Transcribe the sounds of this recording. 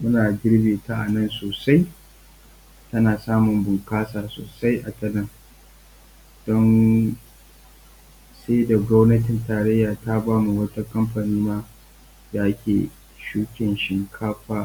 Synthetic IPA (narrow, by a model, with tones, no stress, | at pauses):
mʊ˦naː˨ɡʲɪ˦ɽbeː˨ta˦ʔa˨nɐ˦˨nsoː˨sa˦j | tɐ˦naː˨saː˦mʊ˨mbʊ˨ŋkaː˦saː˨so̰ː˨sa˦jʔa˨tɐ˦nɐ˦˨ŋ | d̥ɔ˦n | seː˦da˨ɡʷɔ˦wnɐ˦tɪ˨ntaː˨ɾɐ˦jːaː˨ta˦baː˦mu˨wɐ˦ta˦kɐ˦mɸa˨niː˦naː˦ | da˨ʔa˦kʲḛː˨ | ʃuː˦kʲɪ˨nʃɪ˨ŋkʰaː˦ɸaː˦